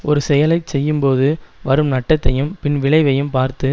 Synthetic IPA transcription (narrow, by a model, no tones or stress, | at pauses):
ʔɔɾɯsɛjɐlɐɪsɛjːɯmpoːðɯʋɐɾɯmnɐʈːɐt̪ːɐjɯmpɪnʋɪɭɐɪʋɐjɯmpaːɾt̪ɯ